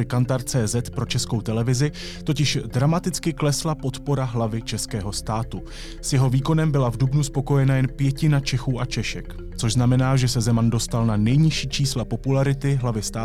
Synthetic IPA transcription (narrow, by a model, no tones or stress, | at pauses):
ɪkant̪aɾt͡sɛːzɛt̪pɾo̞t͡ʃɛskowt̪ɛlɛvɪzɪ | t̪o̞cɪʃdɾamat̪ɪt͡skɪklɛslapo̞t̪po̞ɾaɦlavɪt͡ʃɛskɛːɦo̞st̪aːt̪u | sjɛɦo̞viːko̞nɛmbɪlavdubnuspo̞ko̞jɛnajɛnpjɛcɪnat͡ʃɛxuːʔat͡ʃɛʃɛk | t͡so̞ʒznamɛnaːʒɛsɛzɛmando̞st̪alnanɛjɲɪʃiːt͡ʃiːslapo̞pulaɾɪt̪ɪɦlavɪst̪aː